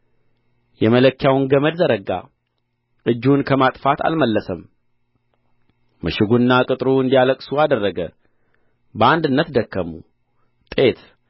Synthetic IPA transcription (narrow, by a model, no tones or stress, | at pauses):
jɛmələkːjawnɡəməd̪zəɾəɡa̰ | ʔɨd͡ʒːunkʰəmat̪ʼfat̪ʰa̰lməlːəsəm | mɨʃɪɡunːakʼɨt̪ʼɾuɨnd̪ijaləkʼsuad̪ərːəɡə̰ | bəand̪ɨnːət̪d̪əkːəmṵ | t̪ʼe̞t̪